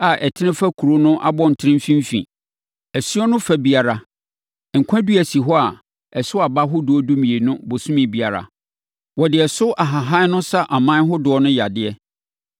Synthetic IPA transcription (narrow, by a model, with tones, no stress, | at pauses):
a˨ʔɛ˨tʰɪ˦nɪ̃˦fa˦kʰu˨ɾo˦nʊ̃˦ʔa̰˦bɔ̃˦n̩˨tʰɪ˦ɾɪ̃˦m˦fĩ˦m˦fḭ̃˨ | æ˨sɥɔ˦nʊ̃˦fa˦bi˨a˨ɾa˨ | ŋ̩˨kʷʰã˦du˦æ˨si˨ɦɔ˦a˨ | ɛ˨sʊ˦a˨ba˦ɦʊ˦dʊ˨ɔ˦du˦mĩ˨e˨nʊ̃˦bo˨sũ˦mĩ˨bi˨a˨ɾa̰˨ | wɔ˨dɪ˨ɛ˨sʊ˦ʔa˨ɦa˨ɦa˦nʊ̃˦sa˦ʔa˨mãː˦ɦʊ˦dʊ˨ɔ˦nʊ̃˦ja˨dɪ˦ɛ˦